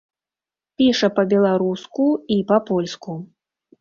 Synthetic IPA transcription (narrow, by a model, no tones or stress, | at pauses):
pʲiʂɐpɐbʲɛlˠaɾuskuipɐpɔlʲsku